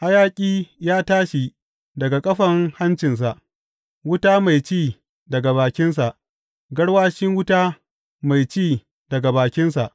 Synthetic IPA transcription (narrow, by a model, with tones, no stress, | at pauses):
ʔa˦jaː˦kʲʼiː˦jaː˦taː˦ʃi˨ | dɐ˨ɡa˨kʼɐ˦ɸɐ˨ŋha˦nt͡ʃɪ˨ns̬a˨ʔ | wʊ˦taː˦ma˨jt͡ʃiː˦˨ | dɐ˨ɡa˨βaː˨kʲɪ˦ns̬a˨ʔ | ɡɐ˦ɽwaː˦ʃɪ˦ŋwʊ˦taː˦ | ma˨jt͡ʃiː˦˨ | dɐ˨ɡa˨baː˨kʲɪ˦nsa˨ʔ